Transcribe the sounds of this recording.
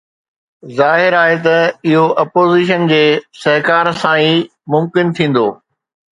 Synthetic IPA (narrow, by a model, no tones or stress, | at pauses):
zaːɦɪɾaːɦet̪ɐɪɦoʔɐpoːziːʃ̬ənd͡ʑeːsɐɦkaːɾsãiː | mʊmkɪnt̪ʰĩːn̆d̪oː